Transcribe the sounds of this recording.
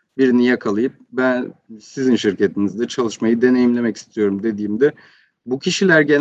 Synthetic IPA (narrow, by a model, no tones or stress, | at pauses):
biɾinijɛkʰalˠajɯp̚bænsizinʃiɾce̞t̪ʰinizd̪ɛt͡ʃʰalˠɯʃmajɯd̪e̞ne̞jimlʲe̞mɛci̥st̪ʰijo̞ɾumd̪e̞d̪iːmd̪ɛ | bucʰiʃilʲæɾɟe̞n